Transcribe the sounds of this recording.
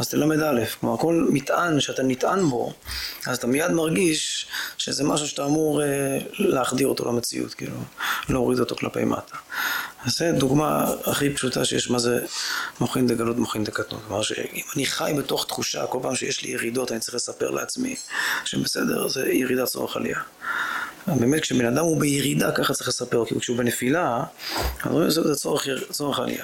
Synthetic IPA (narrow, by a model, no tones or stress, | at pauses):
azt̪elamed̪alefklomaʁko̞lmit̪ʔanʃeatanit̪ʔanbo̞̰azat̪amijad̪maʁɡiʃʃezemaʃ̬uʃet̪aːmuʁeleaχd̪iʁo̞t̪o̞lamet͡sḭṵt̪kḭːlulooʁid̪o̞t̪o̞̰kla̰pe̞̰jmʔa̰tʰḁ | zed̪uɡma̰aχipʃuta̰ʃejeʃmazemoχindeɡalutmoχindekatnṵntklomaʁʃḛimaniχajbeto̞χt̪χuʃa̰ko̞lpaːmʃejeʃlḭjeʁid̪o̞tanit͡sʁiχlesape̞̰ʁlḛat͡smḭʃebesed̪e̞̰ʁzejeʁid̪at͡so̞̰ʁeχa̰lḭa | beːmet̚kʃebenad̪amhubejeʁid̪akaχat͡saɐiχlesapeʁkilukʃeubenefila | anisizet͡soʁeχt͡so̞ʁeχa̰lḭʔa